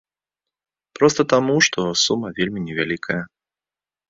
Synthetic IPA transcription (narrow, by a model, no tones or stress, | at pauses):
pɾɔst̪ɐt̪amuʂt̪ʰɔsumːɐvʲelʲmʲinʲɛvʲalʲikʰəjɐ